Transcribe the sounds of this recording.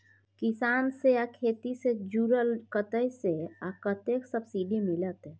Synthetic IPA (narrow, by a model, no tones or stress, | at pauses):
kɪsaːnsejakʰeːt̪ised͡ʒuːɾəlkət̪əjseakət̪eksəbsiɖimɪlət̪ɦɛ